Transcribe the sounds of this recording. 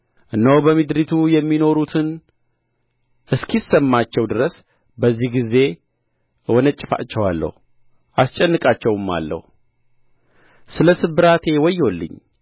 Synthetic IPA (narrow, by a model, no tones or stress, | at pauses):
ʔɨnːəwbəmɨd̪ɾit̪ʰujɛmːino̞ɾut̪ʰɨn | ʔɨskʰisːəmːat͡ʃːɛwd̪ɨɾəs | bəzːihɡize̞ | wɔnət͡ʃʼːɨfa̰t͡ʃːɛwalːə̰hu | ʔast͡ʃʼɛnːɨkʼat͡ʃːɛwɨmːa̰lːə̰hu | sɨləsɨbɨɾat̪ʰe̞wɔjːo̞lːɨ̰ɲː